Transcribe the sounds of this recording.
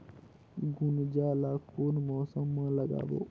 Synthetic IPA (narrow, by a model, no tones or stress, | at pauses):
ɡʊnd͡ʒaːlaːkoːnmɔːsəmːãːləɡa̰ːʋo̰ː